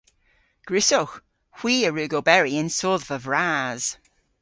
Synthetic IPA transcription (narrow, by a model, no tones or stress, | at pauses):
ɡ̥ɹɪsox | hw̥iːəɹʉːɡobɛɹiɪ̃nsoːðvəvɹaz̥